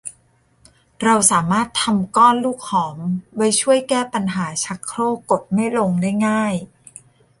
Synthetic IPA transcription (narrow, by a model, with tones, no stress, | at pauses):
ɾa˧wsaː˩˦maː˥˩t̪ʰːa˧mkɔː˥˩nluː˥˩k̚hɔː˩˦mba˧jt͡ɕʰu˥˩əjkɛː˥˩pa˧nɦaː˩˦t͡ɕʰa˦˥kʰɾoː˥˩ko˨˩t̪̚ma˥˩jlo˧ŋdaː˥˩jŋaː˥˩j